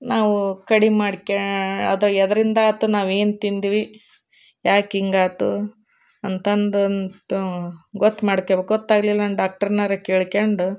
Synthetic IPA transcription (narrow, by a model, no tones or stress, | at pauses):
naːʋukɐɽimaːɽkeɐd̪ɐɐd̪ɐɾind̪ɐːt̪ːunaːʋe̞ːnt̪ind̪iʋi | jaːkiŋɡaːt̪u | ɐnt̪ɐnd̪unt̪uɡot̪ːmaːɽkːebekɡɔt̪ːaːɡlilːɐnɖaːk̚ʈɐɾnɐɾɐkeːɭkeɳɖu